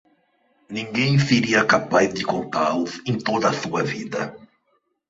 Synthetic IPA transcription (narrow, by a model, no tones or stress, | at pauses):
nĩŋɡẽj̃seɾiɐkapajzd̪ɪkõnt̪a̰lʊsẽj̃t̪od̪ɐsuɐvid̪ɐ̰